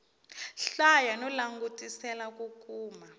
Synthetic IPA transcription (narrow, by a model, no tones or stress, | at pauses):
ɬajanɔlaŋɡutʼisɛlak̬ukʼuːma